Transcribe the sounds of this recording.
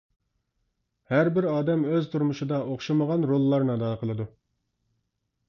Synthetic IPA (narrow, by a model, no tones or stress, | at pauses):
hæɾbɪɾɑːd̪ɛmøzt̪ʰuɾmuʃɨd̪ɑʔoχʃɑməʁɑnɾolˠːɑɾnɨɑd̪ɑːqʰəlˠɨd̪u